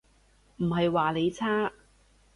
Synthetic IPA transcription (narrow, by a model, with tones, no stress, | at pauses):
m̩˨˩ɦɐ˨jwaː˨˩le˨˧jt͡sʰaː˥